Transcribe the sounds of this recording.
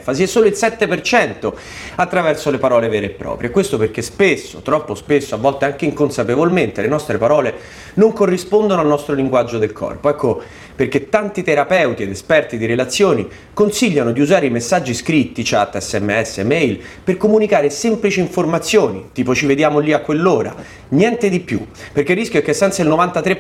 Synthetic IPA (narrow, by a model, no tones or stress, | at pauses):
fasiɛsːoːloilsɛt̪ːepert͡ʃɛnt̪o | at̪ːɾavɛrsolepaɾɔːlevɛːɾeːpːɾɔ̰ːpɾjekwest̪operk̟espesːo̰t̪ɾɔpːospesːoavːɔlt̪eaŋk̟eiŋkonsapevolment̪elenɔst̪ɾepaɾɔːle | noŋkorːispond̪onoalnɔst̪ɾoliŋɡwad͡ʒːod̪elkʰɔ̰rpoɛkːo | perk̟et̪ːant̪it̪eɾapɛwt̪ied̪espɛrt̪id̪iɾelat̪sːjoːni | konsiʎːanod̪iuzaːɾeimesːad͡ʒːiskɾit̪ːit͡ʃat̪ːɛsːɛmːeɛsːḛmɛjlperkomunikaːɾesɛmplit͡ʃiːɱformat̪sːjoːnit̪iːpot͡ʃived̪jaːmoliakːwelːoːɾa̰ | njɛnt̪ed̪ipjṵperkerːisk̟joɛkːesːɛnt̪sailnovant̪at̪ɾe